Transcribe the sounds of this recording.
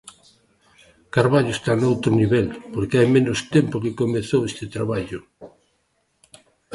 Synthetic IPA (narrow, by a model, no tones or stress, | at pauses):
kaɾβaʎʊest̪anowt̪ɾʊniβɛlpoɾkeajmenʊst̪empokekomeθowest̪et̪ɾaβaʎʊ